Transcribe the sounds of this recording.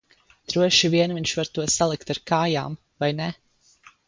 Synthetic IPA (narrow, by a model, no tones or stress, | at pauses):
t̪ɾuɔʃiviɛnviɲʃvaɾt̪uɔsalˠikt̪aɾkaːja̰ːm | vajnɛ